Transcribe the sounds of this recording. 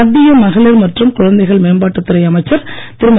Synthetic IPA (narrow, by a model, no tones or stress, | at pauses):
ɐðːɪjɐmɐɣɐɭɪɾmɐʈrɯmkʊɻɐnd̪ɐɪɣɐɭmeːnbaːʈːɯt̪ːɪɾɐɪɐmɐɪt͡ʃːɐɾt̪ɪɾɯmɐ